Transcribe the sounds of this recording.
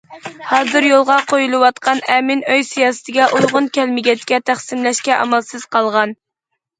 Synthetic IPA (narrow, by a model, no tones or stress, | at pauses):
hɑːzɨɾjolˠʁɑqʰojulˠɨwɑt̪qʰɑnɛmɪnøjsijɑːsɨ̥t̪ʰɪɡʲɛʔujʁʊnkʲɛlmɪɡʲɛt̪kʲɛt̪ʰæχsɪmlɛʃkʲɛʔɑ̰mɛlsɨz̥qʰɑlˠʁɑn